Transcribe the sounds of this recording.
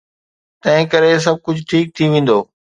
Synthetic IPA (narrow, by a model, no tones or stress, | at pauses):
t̪ɐ̃ɦɪ̃kɐɾes̬ɐb̚ʱkʊd͡ʑʱʈʰiːk̚t̪ʰiʋẽːn̆d̪oː